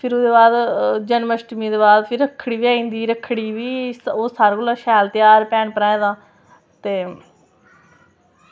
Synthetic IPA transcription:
pʰɪɾoːd̪eːbaːd̪d͡ʒənməʃʈmiːd̪eːbaːd̪pʰɪɾəkʰːɽiːʋiːaːĩːnd̪iːɾəkʰːɽiːʋiːsoːsaːɾɡʊlaːʃɛːlt̪ɪjaːɾpɛːnpəɾãːẽːd̪ãː | t̪eː

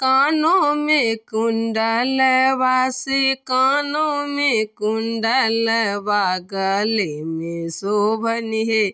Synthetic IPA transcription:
kaːnomekuɳɖalɛʋaːsikaːnomekuɳɖalɛʋaːɡalemesobʱɐniɦe

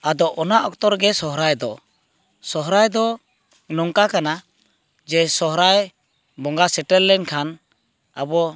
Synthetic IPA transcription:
ad̪ɔʔɔnaʔɔk̚t̪ɔɾɡɛsɔɦɾajd̪ɔ | sɔɦɾajd̪ɔ | nɔŋkakana | d͡ʒɛsɔɦɾaj | bɔŋɡasɛʈɛlːɛnkʰan | abɔ

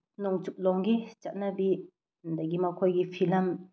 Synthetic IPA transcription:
nɔŋt͡ʃuk̚lɔŋɡit͡ʃat̚nɐbi | ndaɡimɐkʰojɡipʰilɐm

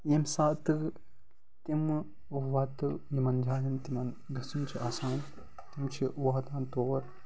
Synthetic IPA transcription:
jemsaːt̪ɨ | t̪im | ʋɐt̪ɨjimɐnd͡ʒaːjɐnt̪imɐn | ɡɐsɐmt͡ʃʰiaːsaːn | t̪imt͡ʃʰiʔʋaːt̪aːnt̪oːɾ

